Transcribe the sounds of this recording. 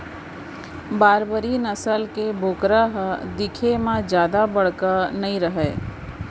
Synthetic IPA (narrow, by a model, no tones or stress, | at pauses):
baːɾbəɾinəsəlkebʱoːkɾaɦd̪ɪkʰemãd͡ʒjaːd̪abəɽ̤kanəĩɾəɦɛː